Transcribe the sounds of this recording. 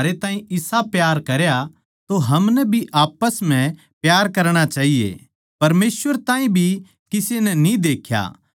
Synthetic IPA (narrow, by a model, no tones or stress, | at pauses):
ɾet̪ãːĩɪsapjaːɾkɐɾja | t̪oɦɐmnɛbʱiʔaːpəsmɛ̃ | pjaːɾkɐɾɽ̃at͡ʃaːɦijḛ | pɐɾmeːsʋəɾt̪ãːĩbʱi | kɪsenɛnĩd̪eːkʰja̰